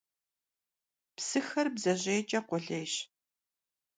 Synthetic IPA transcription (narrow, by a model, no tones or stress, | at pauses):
psɨxɐrbzɐʑeːt͡ʃʼɐqʷʊɮeːɕ